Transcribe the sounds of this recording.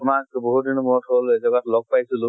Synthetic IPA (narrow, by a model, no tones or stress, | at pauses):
ʊmak̚bɔɦut̚dinɔmɔtɦolɛzɔɡatlɔɡ̚pajsilʊ